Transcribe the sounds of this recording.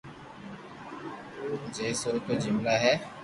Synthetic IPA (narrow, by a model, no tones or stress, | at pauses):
ud͡ʒesot̪od͡ʒɪmlaɦɛː